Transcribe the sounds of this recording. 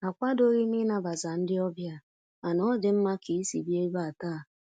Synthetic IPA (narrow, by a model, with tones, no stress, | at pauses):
a˨kʷa˦do˦ɾi˦mɪ˦na˦ba˨za˨n̩˦dɪ˦ɔ˦bja˦ | a˨nɔ˦dɪ˨m̩˦ma˦kʰi˨i˦si˨bi˦e˦ba˦˨a˨taː˦˨